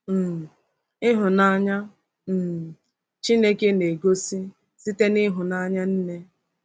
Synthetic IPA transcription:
m̩˨ | ɪ˦ɦʊ˨na˦ɲa˦˨ | t͡ʃi˦ne˦ke˦ne˨ɡo˦si˦ | si˦te˦nɪ˦ɦʊ˨na˦ɲa˦n̩˦ne˦

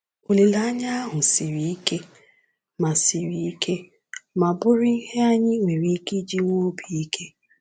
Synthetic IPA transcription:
o˨li˨la˦a˦ɲa˦a˦ɦʊ˨si˨ɾi˨i˦ke˦ | ma˨si˨ɾi˨i˦kʰe˦ | ma˨bʊ˦ɾɪ˦i˦he˦a˦ɲɪ˦ŋʷe˨ɾi˦ki˦d͡ʒi˦ŋo˦bi˨i˦kʰe˦

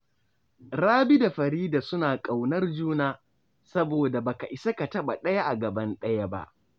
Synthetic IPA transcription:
ɾaː˦bi˦da˨ɸɐ˨ɾiː˦da˨sʊ˦naː˨kʼa˨wnɐ˦rd͡ʒuː˦naː˦ | sɐ˦boː˨da˨baː˨ka˨ʔɪ˨sɐ˦ka˨tɐ˦ɓa˨ɗɐ˦ja˦ʔa˨ɡɐ˨bɐ˦nɗɐ˦ja˦ba̰˦ʔ

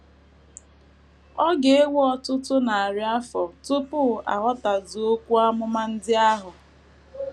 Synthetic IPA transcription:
ɔ˦ɡe˨e˦wɔ˦tʊ˦tʊ˦na˨a˨ɾɪ˦a˦fɔ˨tʊ˦pʊ˦˨ʔa̰˨ɦɔ˦ta˨dʊ˨o˦kʷu˦a˦mʊ˦ma˦n̩˦dɪ˦a˦ɦʊ˨

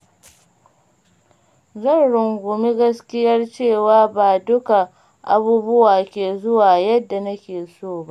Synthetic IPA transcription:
zɐ˦˨nɽʊ˨ŋɡʷʊ˨mi˦ɡɐ˦skʲɪ˦jɐ˦rt͡ʃeː˦˨waː˦baː˨dʊ˦ka˨ | ʔa˨buː˦bʊ˦waː˨kʲeː˨zʊ˦waː˨jɐ˦dːa˨nɐ˦kʲeː˨soː˦˨ba˦ʔ

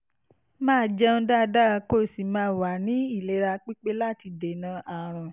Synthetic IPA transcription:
mãː˦˨d͡ʒɛ̃˦da˦˨da˦˧ko˦˨si˨mãː˦˨wa˨nĩ˦i˦˨le˨˦ɾa˧k͡pi˦k͡pe˦la˦˨ti˧de˨nã˧˦ʔa˨ɾ̃ã˨

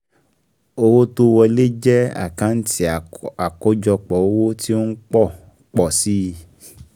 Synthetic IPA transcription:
o˧wo˦to˦wɔ˧le˦d͡ʒɛ˦a̰˦˨kã˨˦n̩˦tʰi˦˨a˨kɔ˦d͡ʒɔ˧k͡pɔ˨o˦wo˦ti˦o˦n̩˦k͡pɔ˦˨ | k͡pɔ˨si˦˧

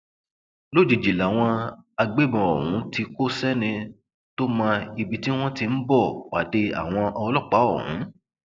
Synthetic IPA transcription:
lo˦˨d͡ʒi˨d͡ʒi˨la˨w̃ɔ̃˧a˧ɡ͡be˦˨bã˨ɔ̰˨ɦũ˨˦ti˧ko˦sɛ˦nĩ˧ | to˦mã˧i˧bi˧˦ti˦w̃ɔ̃˦ti˧n̩˦bɔ˦˨wa̰˨˦de˧a̰˨w̃ɔ̃˧ʔɔ˧lɔ˦˨k͡pa˨˦ɔ̰˦˨hṵ̃˨˦

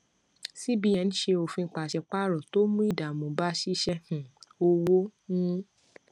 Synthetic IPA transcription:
si˦bi˦jɛ̃˧˦ñ̩˦ʃe˧o˧fũ˧˦˨k͡pa˨ʃɛ˧k͡pa˦˨ɾɔ˨to˦mũ˦i˦˨da˨mõ˨ba˦ʃi˦ʃɛ˧hũ˨o˧wo˦nũ˦

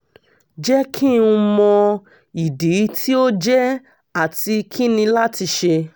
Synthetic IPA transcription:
d͡ʒɛ˦kʰĩ˦˨ũ˧mɔ̃˧ | i˨de˨˦tʰi˦o˦d͡ʒɛ˦ | a˦˨ti˧kʰi˦nĩ˧la˦ti˧ʃe˧

